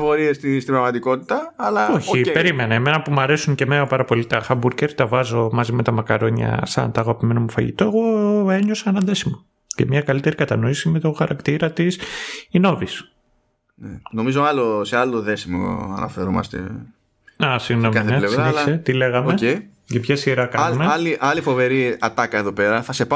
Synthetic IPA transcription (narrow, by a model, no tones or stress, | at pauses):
fo̞ɾiest̪ist̪ibɾɐɣmɐt̪iko̞t̪i̥t̪ɐːlɐoçipe̞ɾime̞nɐeme̞nɐpumɐɾe̞suŋce̞menɐpɐɾɐpo̞lit̪ɐxɐbuɾceɾt̪ɐvɐzo̞mɐzime̞t̪ɐmɐkɐɾo̞ɲɐ̰sɐ̰nt̪ɐɣɐpime̞nomufɐʝḭt̪o̞e̞ɣo̞e̞ɲo̞sɐnɐðe̞simo | ce̞mɲɐkɐlit̪e̞ɾikɐt̪ɐnoisime̞t̪o̞xɐɾɐkt̪iɾɐt̪isino̞vis | neno̞mizoɐlosealoðe̞simo̰ɐ̰nʔɐ̰fe̞ɾomɐ̰st̪e̞̰ | ɐsiɣnomkɐinθeelesvɐeliset̪ile̞ɣɐmoece | ʝɐpçɐsiɾɐkɐumeɐliʔɐlifo̞ve̞ɾiɐt̪ɐkɐeðopeɾɐθɐse̞pɐ